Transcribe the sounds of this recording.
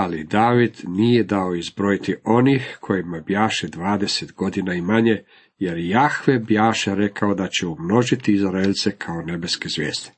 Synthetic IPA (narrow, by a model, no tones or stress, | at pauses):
alid̪aːʋid̪nije̞d̪ao̞izbɾoit̪io̞nixkʰo̞jimabjaːʃed̪ʋaːd̪e̞set̪ɡo̞d̪inaimaɲe̞ | je̞ɾjejaxʋebjaːʃeɾe̞kao̞d̪at͡ɕe̞umno̞ʒit̪iːzɾelʲt̪se̞kʰaone̞be̞ske̞zʋʲjḛːsd̪e